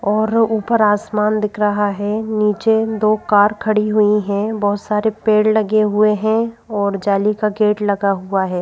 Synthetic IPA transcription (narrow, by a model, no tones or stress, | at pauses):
ɔːɾuːpəɾaːsmaːnd̪ɪkʰɾɐɦaɦɛniːt͡ʃed̪oːkaːɾkʰɐɽiɦʊiɦɛ̃bɐɦʊt̪saːɾepeːɽlɐɡeɦʊeɦɛ̃ɔːɾd͡ʒaːlikaɡeːʈlɐɡaɦʊaɦɛː